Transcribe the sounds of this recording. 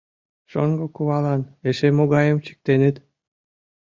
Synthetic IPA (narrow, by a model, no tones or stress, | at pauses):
ʃoŋɡokuβɑlɑneʃemoɣɑjəmt͡ɕi̥k̚t̪enet̪